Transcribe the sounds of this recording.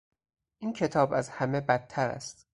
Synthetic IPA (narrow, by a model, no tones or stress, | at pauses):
ʔincʰe̞t̪ʰɒːbæzhæmebæt̪̚ʰːæɾæ̰st̪